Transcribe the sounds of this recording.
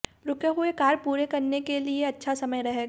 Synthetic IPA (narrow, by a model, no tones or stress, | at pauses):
ɾʊkjeɦʊekaːɾpuːɾekɐɾnekelieɐtːʃʰasɐməjɾɐɦeːɡ